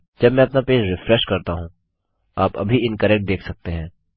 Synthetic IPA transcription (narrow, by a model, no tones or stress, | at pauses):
d͡ʒɐbmɛ̃ɐpnapeːd͡ʒɾɪfɾɛʃkɐɾt̪aɦũ | aːpɐ̰bʱiɪ̃nkɐɾɛːk̚ʈ̚d̪eːkʰsɐk̚t̪eɦɛ̃ː